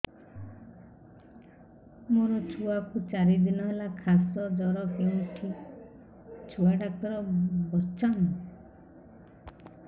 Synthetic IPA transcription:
moɾɔt͡ʃʰuakut͡ʃaɾid̪inɔɦelakʰast̪ɔd͡ʒɔɾɔpensʈʰi | t͡ʃʰuaɖak̚t̪ɔɾɔbɔt͡ʃan

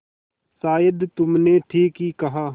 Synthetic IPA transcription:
saːjəd̪t̪ʊmneʈʰiːkikɐɦaː

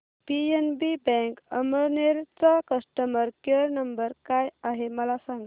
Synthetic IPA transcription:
pienbibɛ̃ŋkəməɾneɾt͡sakəsʈəməɾkeɾnəmbəɾkajaɦeməlasãŋɡə

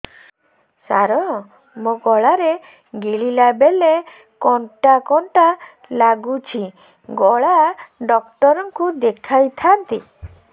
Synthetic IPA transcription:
sa̰ɾɔ | moɡɔɭaɾe | ɡiɭilabele | kɔɳʈakɔɳʈa | laɡut͡ʃʰi | ɡɔɭaɖɔk̚ʈɔɾɔŋkud̪ekʰajt̪ʰant̪i

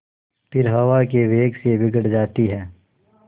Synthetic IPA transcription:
pʰɪɾɦɐwakeweːɡsebɪɡəɽd͡ʒaːt̪iɦɛː

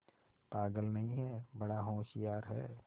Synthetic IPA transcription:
paːɡəlnɐɦĩɦɛbɐɽaɦõːʃɪjaːɾɦɛ̰ː

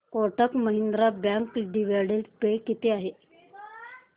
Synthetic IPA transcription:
koʈəkməɦind̪ɾabjaŋkɖiʋaɽeɽpekit̪eaɦe

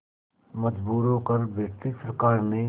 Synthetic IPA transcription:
mɐd͡ʒbuːɾõkɐɾbeːk̚ʈiksɾɐkaːɾne

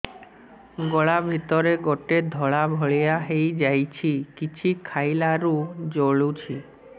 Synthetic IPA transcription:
ɡɔɭabʱit̪ɔɾeɡɔʈed̪ʱɔɭabʱɔɭijaɦejd͡ʒajt͡ɕʰikit͡ʃʰikʰajlaɾud͡ʒoɭut͡ʃʰi

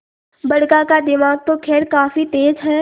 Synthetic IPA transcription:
bɐɽkakad̪ɪmaːɡ̚t̪okʰeːɽkaːfit̪eːzɦɛː

